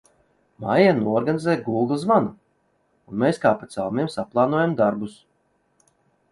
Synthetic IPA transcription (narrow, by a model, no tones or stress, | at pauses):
ma̰januɔɔɾɡanizɛːjɡulˠɡlˠzvanu | unmeːskaːpat̪sawmiɛmsaplˠɑːnuɔjamd̪aɾbus